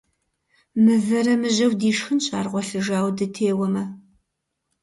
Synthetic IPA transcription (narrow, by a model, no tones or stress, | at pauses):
mɨvɐɾɐmɨʑɐwdiːʂxɨnɕʼaːrʁʷɔɬɨʒaːwdɨtʰeːwɐmɐ